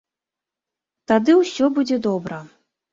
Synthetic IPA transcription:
t̪ad̪ɨwsʲɔbud͡zʲɛd̪ɔbɾɐ

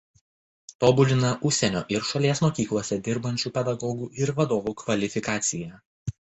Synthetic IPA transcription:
t̪oːbʊlʲɪnɐʔʊʃʲsʲɛnʲo̰ːʔɪɾʃɐlʲeɛsmoːkʲiːklˠuɔsʲɛd̪ʲɪɾbɐnʲt͡ʃʲuːpʲɛd̪ɐɡɔːɡuːʔɪɾʋɐd̪oːʋuːkʋɐlʲɪfʲɪkɑːt̪sʲɪjɛː

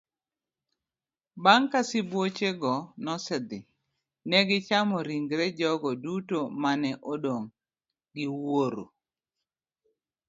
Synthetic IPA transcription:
baŋkasɪbwot͡ʃeɡɔnɔsɪd̪ɪ | nɛɡɪt͡ʃamɔɾiŋɡɾɛd͡ʒɔɡɔdutomanɛʔodoŋ | ɡɪwoɾo̰

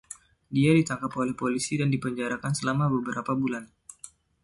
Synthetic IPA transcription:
diadit̪aŋkapolɛhpolisidandipəɲd͡ʒaɾakansəlamabəbəɾapabulan

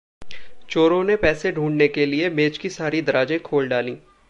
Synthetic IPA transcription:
t͡ʃoːɾõnepɛːseɖʱũːɳɖnekeliemeːt͡ʃkisaːɾid̪ɐɾaːd͡ʒẽkʰoːlɖaːlĩː

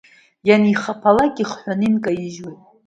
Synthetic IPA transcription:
janiχapʰalakʲʼiχħʷanɨnkʼaiʒwu

